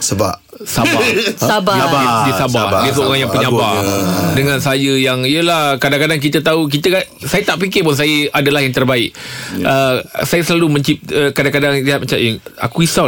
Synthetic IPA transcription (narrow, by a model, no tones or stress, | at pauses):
səba̰ʔ | sabaabaabadisabadisəoɾaŋjaŋpəɲãbadəŋãnsəajəjaŋiəlahkadaŋkadaŋk̬it̪ət̪auk̬it̪əkaʔsajət̪aʔpikɪpʊns̬ajəʔadalahjaŋt̪ərbaɪk̚ʔəsajəsəlalumə̃ɲt͡ʃip̚əkadaŋkadaŋdiɦat̪̚mat͡ʃaməa̰kuisa